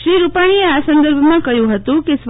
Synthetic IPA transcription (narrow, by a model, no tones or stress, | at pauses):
ʃɾiɾupaɽ̃ieasənd̪əɾbʱmãkəjũɦət̪ũkesʋ